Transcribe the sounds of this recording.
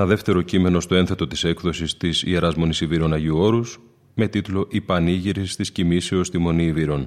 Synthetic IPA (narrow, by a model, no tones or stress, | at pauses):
nɐðe̞ft̪e̞ɾo̞cime̞no̞st̪o̞e̞nθe̞t̪o̞t̪i̥se̞kðo̞sist̪isie̞ɾɐzmo̞nisiviɾo̞nɐʝiuo̞ɾus | me̞t̪it̪lo̞ʔipɐniʝiɾist̪iscimise̞o̞st̪imo̞niːviɾo̞n